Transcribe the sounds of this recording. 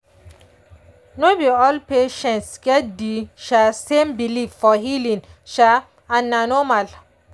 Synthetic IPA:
nobiɔlpeʃɛ̃ntsɡɛt̚diʃasembilivfɔɦilĩnʃa | ananɔmal

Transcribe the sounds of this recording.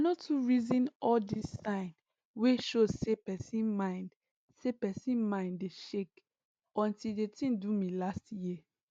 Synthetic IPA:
anotʰuɹizĩnɔldisːãɪ̃n | weʃozsepɛsĩnmãɪ̃nd | sepɛsĩnmãɪ̃ndeʃek | ɔ̃ntildetʰĩndumilastjiə

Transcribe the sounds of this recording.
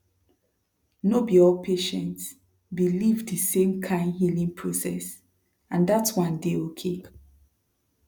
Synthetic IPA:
nobiɔlpʰeʃɛ̃nts | bilivdəsẽmkʰãɪ̃ndhilĩŋpʰɹosɛ̰s | ãndatswʌ̃ndeokʰe

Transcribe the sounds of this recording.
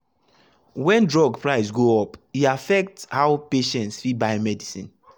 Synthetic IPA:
wɛ̃ndɹɔɡpɹaɪsɡoɔpiafɛk̚thaʊpeʃɛ̃ntsfit̚baɪmɛdisĩn

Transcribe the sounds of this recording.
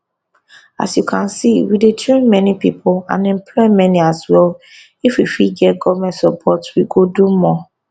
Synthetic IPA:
a̰sjukʰãnsiwidetʰɹẽnmɛnipipʰʊlã̰nɛ̃mpʰlɔɪmɛniaswɛl | ifwifiɡɛtɡɔvmɛ̃ntsɔpʰɔtwiɡodumɔ

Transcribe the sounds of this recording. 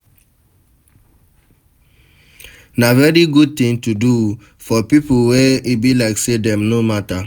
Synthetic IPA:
navɛɹiɡud̚tĩŋtudu | fɔpipuweibilaɪksedɛ̃mnomata

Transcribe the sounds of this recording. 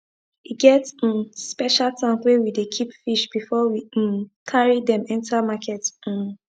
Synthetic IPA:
iɡɛt̩spɛʃaltʰãnswewidekʰipfiʃb̥ifɔwĩmkʰaɹidɛ̃mɛ̃ntamakʰɛt̩

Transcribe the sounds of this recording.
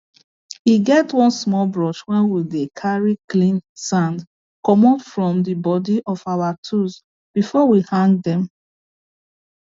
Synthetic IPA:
hiɡɛtwɔ̃nsmɔlbɹɔʃwɛ̃nwidekʰaɹiklĩnsãnd | kɔmɔfɹɔ̃mdəbɔdiʔɔfawatʰus | b̥ifɔwihãŋɡ̚dɛ̃m

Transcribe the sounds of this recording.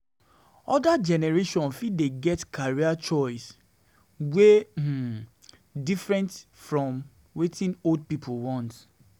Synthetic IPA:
ɔdad͡ʒɛnɛɹeʃɔ̃nfideɡɛtkʰaɹiat͡ʃɔɪs | we | difɹɛ̃nt | fɹɔ̃m | wetʰĩnold̚pipʰolwɔ̃nt

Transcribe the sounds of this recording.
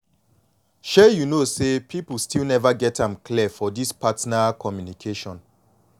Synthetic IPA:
ʃɛjunosepʰipl̩stʰilnɛvaɡɛtʰãmklifɔdispʰatnakʰɔmjunikʰeʃɔ̃n

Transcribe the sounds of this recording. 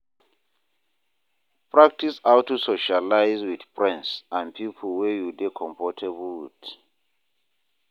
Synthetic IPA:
pʰɹak̚tʰisawtʰusoʃalajzwiθpʰɹɛ̃nsãnpʰipʰɔlwɛjudekʰɔ̃mpʰɔtʰɛbut

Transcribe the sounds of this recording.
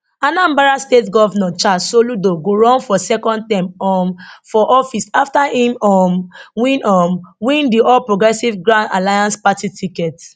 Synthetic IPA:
ãnãmbaɹastetɡɔvanɛ̃nt͡ʃasoludoɡoɹɔ̃nfɔsɛkɔ̃nd̚tãmɔmfɔʔɔfisaftahĩmɔmwĩnɔmwĩndiɔlpɹoɡɹɛsivɡɹãnda̰lajãnspatitʰikɛt

